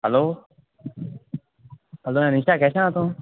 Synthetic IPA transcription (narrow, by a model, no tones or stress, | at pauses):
ɦəloː | ɦəloːɛ̃ːniːʃaːkɛːsããːt̪õː